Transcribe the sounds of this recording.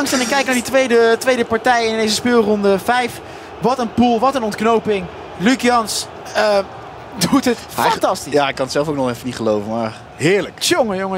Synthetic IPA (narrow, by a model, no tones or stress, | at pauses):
ɑŋstɛnɪkɛjk̚naɹditʋejdətʋejdəpɑɹtɛjɪndejzəspɪːlˠrɔndəvɛjf | ʋɑtənpulˠʋɑtənɔntknowpɪŋ | lykjɑns | ə | dutət | fɑtɑstijaːɪkːɑnətsɛlˠfowknɔχɛfənitχəlowvəmaːɹ | ɦɪːɹləkoŋəjʊŋə